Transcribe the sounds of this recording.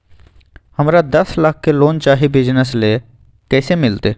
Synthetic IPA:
həmɾad̪ɐslak̚ʰːeloːnt͡ʃaːɦibɪd͡ʒnəsle | kɛːsemɪlt̪eː

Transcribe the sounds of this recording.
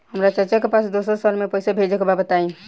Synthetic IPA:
həmɾat͡ʃəɾt͡ʃɛkepasd̪osəɾsəɾmepəjsabʱed͡ʒekebabət̪ain

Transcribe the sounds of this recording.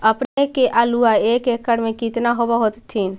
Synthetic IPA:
əpnekeʔaluaekekːəɽmẽkit̪naɦobəɦot̪t̪ʰːin

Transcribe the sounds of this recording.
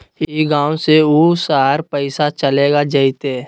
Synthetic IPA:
iɡãːwseuːsaːɾpəɪsat͡ʃəleːɡad͡ʒəɪt̪eː

